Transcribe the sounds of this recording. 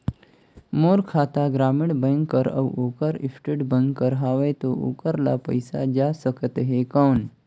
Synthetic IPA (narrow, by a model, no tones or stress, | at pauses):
moːɾkʰaːt̪aɡɾaːmɪɽbə̃ŋɡkːəɾə̰woːkəɾḭsʈeɖbə̃ŋɡkːəɾɦaːʋet̪oo̰ːkəɾla̰pə̰jsa̰d͡ʒasəkt̪eɦekaːn